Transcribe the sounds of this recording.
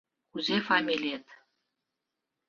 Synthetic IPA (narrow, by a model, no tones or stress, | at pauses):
kuzefɑmʲilʲet̪